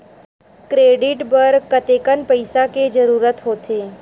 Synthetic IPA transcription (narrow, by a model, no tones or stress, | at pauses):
kɾeːɖɪʈbɐɾkət̪eːkənpəɪsaked͡ʒɐɾuːɾət̪ɦoːt̪eː